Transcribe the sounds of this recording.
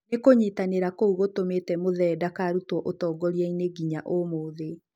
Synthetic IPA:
nekoɲetaneɾakouɣotometɛmoðɛːdakaɾutwɔʔotɔːɡɔɾiɛineɡiɲaʔomoðe

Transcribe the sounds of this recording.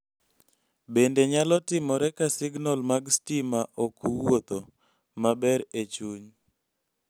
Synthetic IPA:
bendeɲalɔtɪmɔɾɛkasɪɡnɔlmaɡstimaʔokʰuwot̪o | mabɛɾet͡ʃuɲ

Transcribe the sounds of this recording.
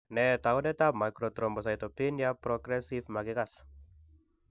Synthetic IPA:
net̪aonɛt̪ap̚majkɾot̪ɾɔmbɔs̬ajt̪opinjapɾoɡɾɛsifmaɡiɡas

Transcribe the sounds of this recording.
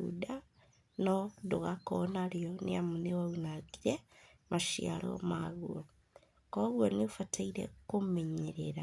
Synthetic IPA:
ṵda | nɔdoɣakɔnaɾiɔnḛamunewaunaɣiɾe | maʃia̰ɾɔ̰maɣuɔ | kɔɣwɔneofatʰaiɾḛkomeɲeɾeɾa

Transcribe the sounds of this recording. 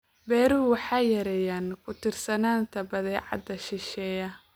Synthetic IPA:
bɛːɾuːwɑħɑːjɐɾɛjaːnkʰʊt̪ʰɪrsɐnaːnt̪ʰɐbɐðɛːʕɑ̰d̪ɐʃɪʃɛːjɐ

